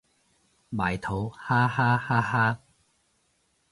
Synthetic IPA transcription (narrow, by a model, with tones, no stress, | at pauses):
ɓaː˨˩jt̪ʰo˨˦whaː˥haː˦˥haː˦˥haː˦˥